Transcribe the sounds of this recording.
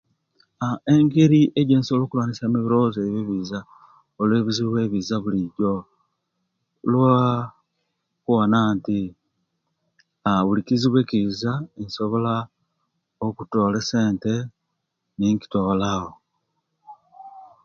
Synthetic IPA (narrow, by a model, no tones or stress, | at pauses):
aeŋɡeɾiʔeɟeːnsoloːkulwaːnisamiβiɾozeβeβiza | olweβiziβweβizaβuliɟo | lwa | kwanaːnti | aβulikiziβwe̞ːkizainsoβo̞la | okuto̞ːlese̞ːnte̞ | niŋki̥tolaho